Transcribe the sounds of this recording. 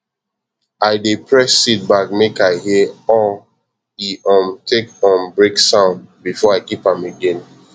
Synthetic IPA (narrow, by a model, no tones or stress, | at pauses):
aɪdepʰɹɛsːit̚bak̚mekaɪhiɔ | iʔɔ̃mtʰekɔ̃mbɹeksãʊ̃ndbifɔaɪkipãmeɡẽn